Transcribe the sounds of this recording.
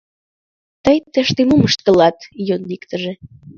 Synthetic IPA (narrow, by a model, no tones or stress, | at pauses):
t̪əjt̪eʃt̪emuməʃt̪̚kə̆lɑt̪jonːikt̪əʒe